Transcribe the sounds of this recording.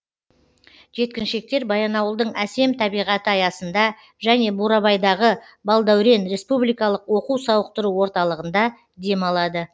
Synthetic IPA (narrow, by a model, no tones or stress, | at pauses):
ʒe̞t̪̚kʲɪnʃe̞k̚t̪e̞ɾbɑjɑnɑwəlˠd̪əɴæse̞mt̪ʰɑbijʁɑt̪əɑjɑsənd̪ɑ | ʒæne̞buɾɑβɑjd̪ɑʁə | bɑlˠd̪ɑwɾe̞nɾe̞spublijkɑlˠəqwo̞quwsɑwəq̚t̪əɾuwo̞ɾt̪ɑlˠəʁənd̪ɑ | d̪e̞mɑlˠɑd̪ə